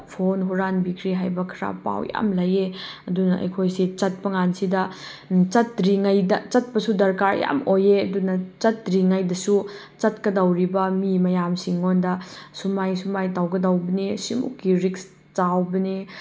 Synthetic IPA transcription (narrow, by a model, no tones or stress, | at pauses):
pʰonɦuɾanbikʰɾiɦajbɐkʰɾa̰pa̰wja̰mlɐjeɐdunɐʔɐ̰jkʰojsit͡ʃɐt̚pɐŋansidɐ | t͡ʃɐt̚ɾiŋajdɐt͡ʃɐt̚pɐsudɐɾkaɾja̰mojeɐdunɐt͡ʃɐt̚ɾiŋajdɐsu | t͡ʃɐt̚kɐdawɾibɐmimɐjamsiŋːondɐsumajsumajtawɡɐdawbɐnesimṵkːiɾiks | t͡ʃawbɐne